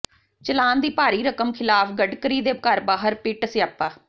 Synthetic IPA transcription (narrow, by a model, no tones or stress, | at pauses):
t͡ʃəlaːnd̪iːpaːɾiːɾəkəmkʰɪlaːpʰɡəɖkəɾiːd̪eːkəɾbaːɦəɾpɪʈəsɪaːpːaː